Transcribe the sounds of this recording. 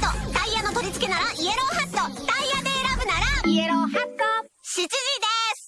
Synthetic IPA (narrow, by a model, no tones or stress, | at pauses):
t̪ot̪aijano̞t̪o̞ɾʲit͡sɨ̥ke̞naɾaie̞ɾo̞ːɦast̪ot̪aijad̪e̞ːɾabɯ̟naɾaieɾoːhḁt̪o | ɕit͡ɕiʑid̪esɨ̥